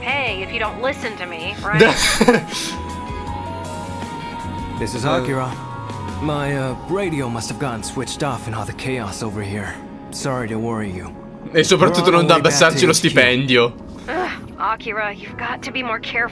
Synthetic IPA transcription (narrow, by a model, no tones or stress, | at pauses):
heɪɨfjɨɾõʊ̃ntˡlɪsɨ̃ntʰɨmiɹaɪ | ðɪsɨzɑkjəɹə | maɪʌɹeɪɾioʊmʌst̚həvɡɑn̩swɪt͡ʃtɔfɨ̃nɑðɨkʰeɪɑsoʊvə˞hiɹ | sɑɹiɾɨwɜɹijʉ̰ | esːopɾat̪ut̪ːonõnd̪abasaɾsilost̪ipɛnd̪jo | ʔɑkʰiɹəjʉvɡɑtʰːɨbimɔɹkʰɛɹf